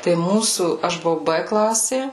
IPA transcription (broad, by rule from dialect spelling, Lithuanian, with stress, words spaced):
tɐɪ ˈmuːsuː ˈɐʃ bʊˈʋɐʊ ˈbɘ ˈklˠɑːsʲeː